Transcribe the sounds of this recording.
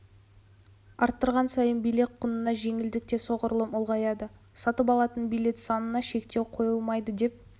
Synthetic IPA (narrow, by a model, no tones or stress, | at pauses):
ɑɾt̪ːəɾʁɑnsɑjənbijle̞k̪̚qʰʊnənɑʒe̞ŋɪld̪ɪk̚t̪e̞so̞ʁəɾlˠəmʊlˠʁɑjɑd̪ə | sɑt̪əpɑlˠɑt̪ənbijle̞t̪sɑnənɑʃe̞kt̪e̞wqʰo̞jəlˠmɑjd̪əd̪e̞p̚